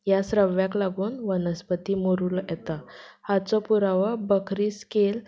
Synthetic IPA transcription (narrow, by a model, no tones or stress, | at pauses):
jasɾəʋjaklaɡuːnʋənəspət̪iːmoɾuːljɛt̪ahat͡sɔpuɾaʋəbəkʰɾiːskel